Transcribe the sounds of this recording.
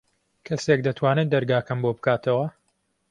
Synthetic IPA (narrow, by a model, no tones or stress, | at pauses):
kʰɐsek̚d̪ɐt̪ʰwaːnɨd̪ɐɾɡaːkɐmboːbɨkaːt̪ʰɐwɐ